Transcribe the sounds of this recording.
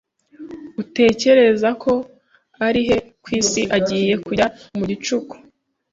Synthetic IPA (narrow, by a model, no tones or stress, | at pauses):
ute̞ːce̞ɾe̞zakʰo̞ | aɾiɦe̞kwiːsiʔaɟiːje̞kuaumuɟit͡ʃuku̥